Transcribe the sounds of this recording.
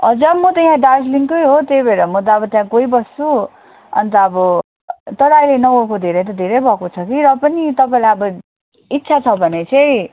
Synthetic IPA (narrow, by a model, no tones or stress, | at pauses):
ʌd͡zamʌt̪ʌjãɖarsliŋkʌjɦot̪jejbʱʌɾʌmʌt̪̬ʌʌbʌt̪jãkoibʌst͡su | ʌ̰nt̪ʌʌbʌ | t̪ʌɽajlenʌokod̪ʱeɾʌjt̪̬ʌd̪ʱeɾʌjbʱʌkot͡sʰʌkiɾʌpʌnit̪ʌpaĩlajʌbʌ | it̪ːsʰat͡sʰʌbʱʌnet͡sʰʌ̃j